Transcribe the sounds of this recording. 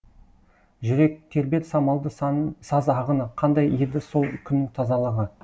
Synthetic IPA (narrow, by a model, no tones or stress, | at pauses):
ʒʏɾe̞k̚t̪ʰe̞ɾbe̞t̪sɑmɑlˠd̪əsɑzɑʁənəqʰɑnd̪ɑjeld̪ɪso̞lˠkʲʰʏnːɪŋt̪ʰɑzɑlˠəʁə